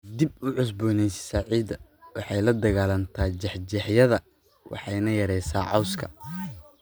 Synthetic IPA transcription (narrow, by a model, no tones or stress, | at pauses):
d̪ib̚ʊʕʊs̬buːnɛjsɪ̥saːʕiːd̪ɐwɑħɑjlɐd̪ɐɣaːlɐnt̪ʰaːt͡ʃɛħt͡ʃɛħjɐðɐ | wʔɑ̰ħɑjnɐjɐɾɛjsa̰ːʕɑwskʰɐ̰